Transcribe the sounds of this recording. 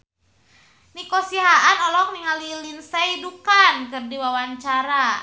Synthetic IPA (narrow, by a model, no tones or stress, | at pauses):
nikosiɦaʔanɔlɔk̚niŋalilinsajdukankɨrdiwawaɲt͡ʃaɾa